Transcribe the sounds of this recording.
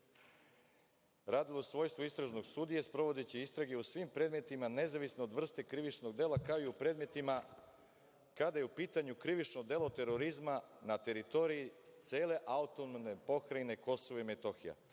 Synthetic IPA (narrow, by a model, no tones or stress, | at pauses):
ɾaːd̪ilosʋo̞ːjst̪ʋoist̪ɾaʒno̞ɡst̪ud̪ije̞spɾo̞ʋo̞d̪et͡ɕeist̪ɾaɡeusʋimpɾe̞d̪me̞t̪imane̞zaʋisneod̪ʋr̩st̪e̞kɾiʋit͡ʃno̞ɡd̪e̞ːlˠakaoiupɾe̞ːd̪me̞t̪ima | kad̪ajeupiːt̪aɲukɾiʋit͡ʃnod̪e̞lˠot̪e̞ɾo̞ɾizmanat̪e̞ɾit̪o̞ɾiit̪seːle̞ʔaut̪onnepo̞xɾajneko̞soʋoimet̪o̞xija̰